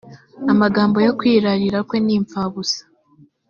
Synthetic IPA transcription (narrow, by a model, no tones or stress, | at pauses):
amaɡaːmbo̞jo̞kwiːɾaɾiɾakwe̞niːɱfaβusḁ